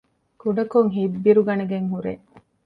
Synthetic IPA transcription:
kuɖɐkoŋɦibːiɾuɡɐneɡeŋɦuɾḛ

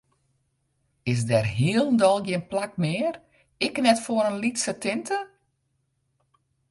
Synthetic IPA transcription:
ɪs̬dɛrɦiəlˠndɔlˠɡjɪənplak̚mɪːər | ɪknɛtfoəɾənlitsətɪntə

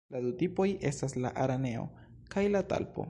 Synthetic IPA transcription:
ladutipo̞jʔe̞stasla̰ʔaɾane̞o̞̰ | kajlata̰lpo̞̰

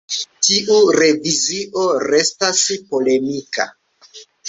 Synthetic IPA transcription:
tiʔuɾe̞viziʔo̞ɾe̞staspo̞le̞mika̰

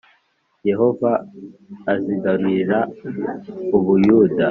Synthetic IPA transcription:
je̞ɦo̞vaː | ziɡaɾiɾa | uβujuːda

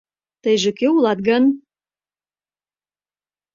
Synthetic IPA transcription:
t̪əjʒĕkøulɑt̪̚ɡən

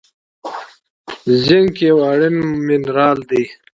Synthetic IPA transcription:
ziŋɡkewaɽinminɾaːld̪i

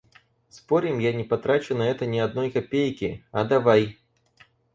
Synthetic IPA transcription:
spɔɾʲimjanʲɛpat̪ɾat͡ʃʲʊnɐɛt̪ɐnʲɛad̪nɔjkapʲejkʲiɐd̪avaj

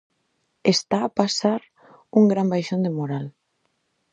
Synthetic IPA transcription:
est̪aːpasaɾ | uŋɡɾambajʃond̪emoɾal

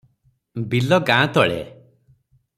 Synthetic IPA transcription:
bilɔɡãt̪ɔɭḛ

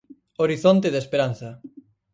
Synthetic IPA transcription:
oɾiθont̪eðespeɾanθɐ

